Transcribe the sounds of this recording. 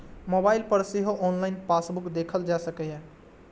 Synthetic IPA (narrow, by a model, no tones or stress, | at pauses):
mobailpəɾsiɦoʔɔnlaɪnpasbukd̪ekʰəld͡ʒasəkɛjɛ̃